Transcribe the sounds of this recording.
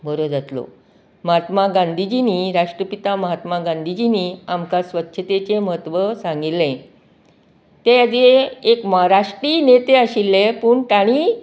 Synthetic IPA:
bʱəɾod͡zat̪lo̰ | məɦat̪maɡãnd̪ʱid͡ʑiniːɾaʂʈɾəpit̪aməɦat̪maɡãnd̪ʱid͡ʑiniamkasʋət̪ːɕʰət̪et͡ɕeməɦət̪ʋəsãŋɡilːẽ | t̪ejad͡zeekməɦaɾaʂʈɾiːnet̪eaɕilːepuːɳʈaɽ̃i

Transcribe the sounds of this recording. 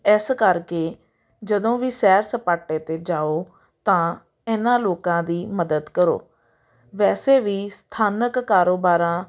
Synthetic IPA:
ɪskəɾkeː | d͡ʒəd̪õːʋiːsɛːɾsəpaːʈeːt̪eːd͡ʒaːoː | t̪ãː | ɪnãːloːkãːd̪iːməd̪əd̪kəɾo̰ː | ʋɛːseːʋiːst̪ʰaːnəkːaːɾoːbaːɾãː

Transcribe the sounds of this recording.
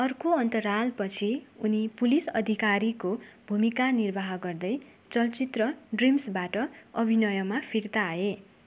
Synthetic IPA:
ʌrkoʌnt̪ʌɾalpʌt͡sʰiunipulisʌd̪ʱikaɾikobʱumikanirbʱaɦʌɡʌrd̪ʌj | t͡sʌlt͡sit̪rʌɖrimsbaʈʌʌbʱinʌjʌmapʰirt̪aːe

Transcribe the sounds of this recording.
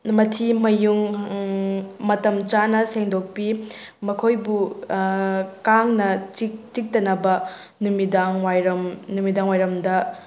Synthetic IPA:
mɐtʰimɐjuŋ | mɐtɐmt͡ʃanɐseŋdok̚pi | mɐkʰojbu | kaŋnɐt͡ʃit͡ʃik̚tɐnɐbɐ | numidaŋwajɾɐmnumidaŋwajɾɐmdɐ

